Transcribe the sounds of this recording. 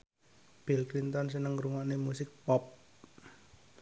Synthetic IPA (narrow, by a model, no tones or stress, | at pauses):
b̥ilkɾint̪ɔns̬ənəŋɾuŋɔʔnemusɪk̚pɔp̚